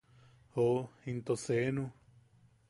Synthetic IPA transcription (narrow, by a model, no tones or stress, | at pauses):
hoĩnt̪osenũ